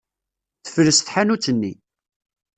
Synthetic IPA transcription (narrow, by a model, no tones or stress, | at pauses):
θə̥fɾəsθħanut͡sːənːi